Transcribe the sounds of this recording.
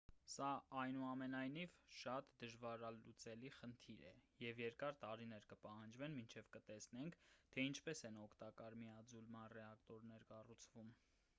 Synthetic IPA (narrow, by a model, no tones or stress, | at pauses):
sɑʔɑjnuɑmɛnɑjnivʃɑt̪d̪əʒvɑɾɑlut͡sɛliχənt̪ʰiɾɛ̰jɛvjɛɾkɑɾt̪ɑɾinɛɾkəpɑhɑnd͡ʒvɛnmint͡ʃʰɛvkət̪ɛsnɛŋkʰt̪ʰɛint͡ʃʰpɛsɛnɔkʰt̪ɑkɑɾmiɑd͡zulmɑnrɛɑkt̪ɔɾnɛɾkɑrut͡sʰvum